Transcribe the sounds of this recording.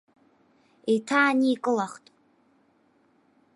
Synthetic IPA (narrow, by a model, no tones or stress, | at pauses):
ejtʰaːniːkʼɨlaχtʼ